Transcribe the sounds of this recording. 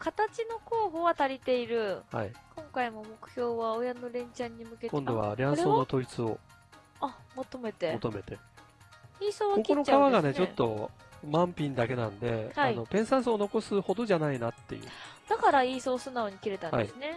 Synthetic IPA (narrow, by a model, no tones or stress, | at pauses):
kat̪at͡ɕino̞ko̞ːɦo̞ːβat̪aɾʲit̪e̞iɾɯ̟ha̰ḭkõ̞ŋkaimo̞mo̞kɯ̟̥çʲo̞ːβao̞jano̞ɾẽ̞ɲ̟t͡ɕãɲ̟ːimɯ̟ke̞tkond̪o̞βa̰ɾʲiãɾsonot̪o̞it͡sɨo̞̰ | amot̪o̞me̞t̪e̞mot̪o̞me̞t̪e̞ | iːsoːβakokioɾot͡ɕkaaβaɡane̞t͡ɕot̪ːo̞mãmpʲĩnd̪ake̞nãnod̪e̞haaino̞pẽ̞ɰ̃sãɰ̃sono̞ko̞sɨho̞d̪o̞ʑanainat̪ːe̞jɯ̟̰ːd̪̥akaɾaiːso̞ːsɨnaoːɲ̟ikʲiɾe̞t̪ãna̰d̰esɨne̞